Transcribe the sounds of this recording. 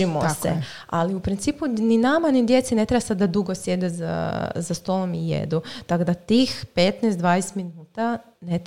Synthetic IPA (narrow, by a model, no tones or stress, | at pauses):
imosḛ | a̰liupɾint̪siːpuninamanid̪je̞t̪sine̞t̪ɾebasad̪ːad̪uɡosje̞d̪eza̰zast̪o̞lˠomijḛd̪ut̪akod̪at̪iːxpe̞t̪nɛsd̪ʋaːnest̪minuːt̪a | net̪